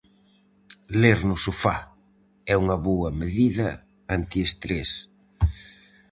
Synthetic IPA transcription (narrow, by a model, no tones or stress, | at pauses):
leɾnʊsʊfa | ɛuŋɐβoɐmeðiðɐ | ant̪iest̪ɾes